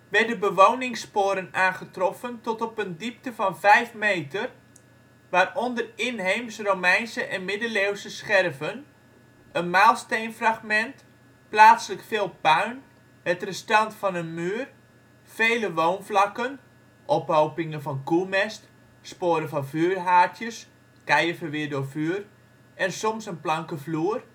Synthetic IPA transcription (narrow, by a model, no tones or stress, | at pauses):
ʋɛdəbəʋownɪŋspoːɾənaːnχətrɔfəntɔtɔpəndip̚təvɑnvɛjfmeːtər | ʋaːrɔndərɪnɦejmsromɛjnsəʔɛnmɪdəlewsəsχɛrvən | ənmaːlˠstejnfraxmɛnt | plaːtsləkfɪːlˠpœɥn | hətrəstɑntfɔnənmyːər | feːləʋownflɑkən | ʔɔpowpɪŋənfɔnkumɛst | spoːɾənfɔnfyːrɦaːtʰjəs | kɛjəfəʋɪərdʊːfyːr | ɛnsɔmsənplɑŋkəfluːər